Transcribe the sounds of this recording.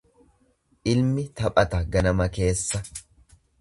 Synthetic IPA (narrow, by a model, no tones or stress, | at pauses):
ʔɪlmɪt̪ɐpʼɐt̪ɐɡɐnɐmɐke̞ːsːɐ